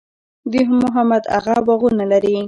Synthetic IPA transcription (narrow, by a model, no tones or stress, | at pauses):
d̪iɦmʊɦamad̪a̰ɣawaɣunalaɾi